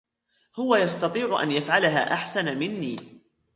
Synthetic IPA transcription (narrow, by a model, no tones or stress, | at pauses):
hʊwajɑst̪ɑt̪ˤiːʕʊʔa̰njafʕalaɦa̰ːʔaħsanamɪnːiː